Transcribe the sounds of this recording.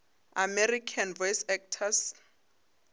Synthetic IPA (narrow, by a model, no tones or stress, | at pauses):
amɛrikʰanvɔjsɛk̚tʰas